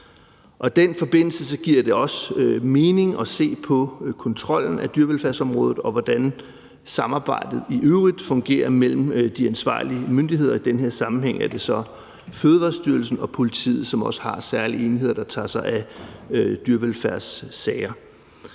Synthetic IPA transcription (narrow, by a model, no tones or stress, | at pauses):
ʔɒ̽id̥enfɒ̽b̥e̝n̰l̩səsɒ̽ɡ̥iɐ̰d̥e̝ɒ̽sme̝ːne̝ŋɒ̽se̝̰ːpʰɒ̽kʰɒ̽nt͡sʰʁɒ̽l̰n̩æd̥yɐʋelfæɐsɒ̽mʁɔ̽ːðð̩ˠɒ̽ʋɒd̥æn | sɑ̈mɑ̈ːb̥ɑ̈ɪ̰d̥ð̞̩ˠiʔøʊʁid̥fɔ̽ŋɡ̥e̝̰ːɐmel̰m̩d̥iænsʋɑ̰̈ːlimønd̥ihe̝ð̞̰ˠɐid̥enɦe̝ɐ̰sɑ̈mn̩ɦeŋ̰æɐd̥e̝sɒ̽ | føð̞ˠəʋɑ̈ːsd̥yɐl̩sn̩ɒ̽pʰo̝lit͡sʰḭːð̩ˠsɒ̽mɒ̽sə̥hɑ̈sæɐlie̝ːniɦe̝ð̞̰ˠɐd̥ɑ̈t͡sʰɑ̰̈ːsɑ̈ɪæ | d̥yɐʋelfæɐ̰sːɛɪɐ